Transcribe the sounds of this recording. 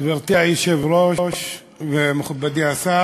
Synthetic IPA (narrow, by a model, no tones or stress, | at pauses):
baʁt̪iajiʃevɾoʃ | vemeχubːad̪iasa